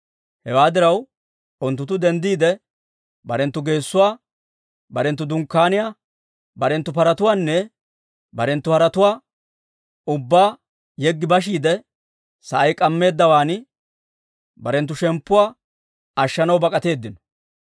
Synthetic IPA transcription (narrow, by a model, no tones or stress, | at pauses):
hɛwaːd̪ɪɾɐw | ʊnt̪ːʊt̪ːʊd̪ɛnd̪iːd̪ɛ | bɐɾɛnt̪ːʊɡe̞ːsːʊwaː | bɐɾɛnt̪ːʊd̪ʊŋkːaːnɪja | bɐɾɛnt̪ːʊpɐɾɐt̪ʊwaːnːɛ | bɐɾɛnt̪ːʊhɐɾɐt̪ʊwaː | ʊbːaː | jɛɡːɪbɐʃ̬iːd̪ɛ | sɐʔɐjkʼɐmːe̞ːd̪ːɐwaːnɪ | bɐɾɛnt̪ːʊʃɛmpːʊwaː | ɐʃːɐnɐwbɐkʼɐt̪e̞ːd̪ːɪnɔ̥